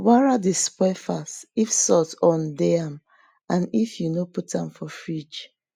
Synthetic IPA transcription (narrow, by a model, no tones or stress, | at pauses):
waɹadespɔfasifsɔtɔ̃ndɛam | ãnifjunoputãmfɔfɹid͡ʒ